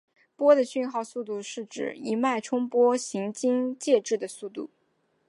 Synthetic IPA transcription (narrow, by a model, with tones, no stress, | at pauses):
pwɔ˥d̪ə˨ɕy˥˧nxɑ˥˧ʊsu˥˧t̪u˥˧ʂɻ̩˥˩ʈ͡ʂɻ̩̰˨˩i˧˥ma˥˩ɪʈ͡ʂʰʊ˥ŋpwɔ˥ɕi˧˥ŋt͡ɕi˥ŋt͡ɕjɛ˥˧ʈ͡ʂɻ̩˥˩d̪ə˩su˥˧t̪ṵ˥˩